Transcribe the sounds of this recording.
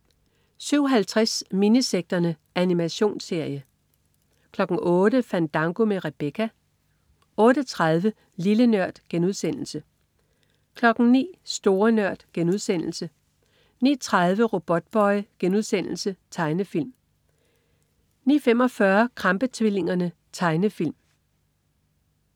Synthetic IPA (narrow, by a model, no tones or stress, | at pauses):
syʊ̰ɦælt͡sʰʁasminiseɡ̥̚d̥ɐnə | ʔænimæɕo̝̰ːnse̝ɐ̰jə | kʰlɒ̽ɡ̥n̩ʔɔ̽ːdəfæn̰d̥ɑ̈ŋɡ̥o̝meʁeb̥ekʰæ | ɔ̽ːd̥ət͡sʰʁɑð̞ˠʋə | lilənɶɐ̰d̥ɡ̥enuð̞̰ˠsen̰l̩sə | kʰlɒ̽ɡ̥n̩nḭːsd̥o̝ːɐnɶɐ̰d̥ɡ̥enuðˠsen̰l̩sə | nḭːt͡sʰʁaðˠʋəʁo̝b̥ɒ̽d̥̚b̥ɒ̽ɪɡ̥enuðˠsen̰l̩sət͡sʰɑ̈ɪnəfil̰m | nḭːfemɒ̽fɶːɐkʰʁɑ̈mb̥ət͡sʰʋele̝ŋɐnə | t͡sʰɑ̈ɪnəfil̰m